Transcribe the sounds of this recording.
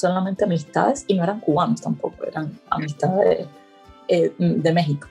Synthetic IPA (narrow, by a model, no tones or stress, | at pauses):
solament̪e̞amist̪a̰ðe̞sinoe̞ɾaŋkuβanost̪ampo̞koḛɾaŋa̰mist̪aðee | ed̪e̞me̞ɦiko̥